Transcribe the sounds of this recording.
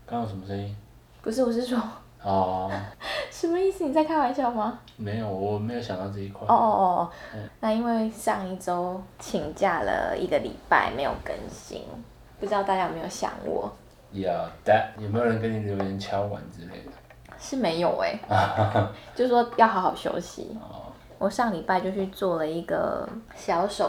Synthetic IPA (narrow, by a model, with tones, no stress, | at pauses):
kʰa˥nwʂə˨˦mə˦ʂə˦ni˦ŋ | pu˨˩ʂɻ̩˥˩wɔ˨˩ʂ̬ɻ̩˥˩ʂwɔ˥ | ɔ˩ | ʂə˨˧˦mə˦i˥˩s̩˨ni˨˩t͡sa˥˩ɪkʰa˥nwa˧˦nt͡ɕʰjɑ˥ʊma˧˦ | me˧˥ɪjo˨˦ʊwɔ˨˩me˧˥ɪjo˧˥ɕɑ˨ŋt̪ɑ˥˧ʊʈ͡ʂɤ˥˩i˧˥kʰwa˥˨˧na˥˧i˥nwe˥˧ɪʂɑ˥˧ŋi˥˩ʈ͡ʂo˥ʊt͡ɕʰi˧˥ŋt͡ɕja˥˩lə̰˩ḭ˧˥ɡə˨lḭ˨˩pa̰˥˩ɪme˧˥ɪjo̰˨˩ʊkə̰˧˦nɕḭ˧˥ŋ | pu˥˩ʈ͡ʂɻ̩˥˧t̪a˥˧t͡ɕja˥jme˧˥jo˨˩ɕjɑ̰˨˩ŋwɔ̰˥˩ | ja˨d̪a˦˩t̚jme˦˥jo˨˩ɻə˧˦nkə˦ni˨ljo˧˦˥jə˧˦nt͡ɕʰjɑ˥ʊwa̰˧˦nt͡sɹ̩˦lḛ˥˩ɪd̪ə˩ | ʂɻ̩˥˩me˧˥ɪjo˨˩ʊḛ˦ | t͡ɕjo˥˧s̩˥˩ʂwɔ˥jɑ˥˩ʊxɑ˧˥ʊxɑ˨˩ʊɕjo̰˥ʊɕḭ˨ɔ˨˩ | wʔɔ˨˩ʂɑ˥˩ŋli˨˩pa˥˧ɪt͡ɕjo˥˧ʊt͡ɕʰy˥˧t͡swɔ˥˩lə˩i˧˥ɡə̰˨˩ | ɕjɑ˧˥˦ʊʂo˨˩˦